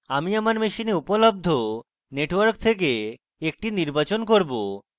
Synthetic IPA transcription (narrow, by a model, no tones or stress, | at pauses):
amiamaɾmeʃineupolob̚d̪ʱo | neʈwoɾk̚t̪ʰek̬e | ek̚ʈiniɾbat͡ɕonkoɾbo